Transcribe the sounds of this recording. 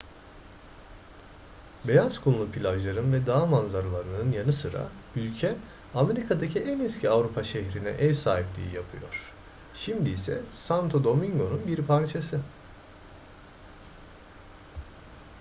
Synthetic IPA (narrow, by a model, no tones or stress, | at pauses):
be̞jaskʰunlˠupʰilʲaʒlˠaɾɯnvɛd̪aːmanzaɾɯlˠaɾɯnɯnjanɯsɯɾa̰ | ylʲcʰɛ | ame̞ɾikʰad̪acʰiʔɛnɛscʰiavɾupʰaʃɛçɾinɛ̰ʔɛvsaːɦiplʲḭːḭjapʰɯ̰jo̞̰ɾ̝̥ | ʃimd̪iːsɛ̰sant̪ʰod̪o̞miŋɡo̞nunbiɾpʰaɾt͡ʃʰasɯ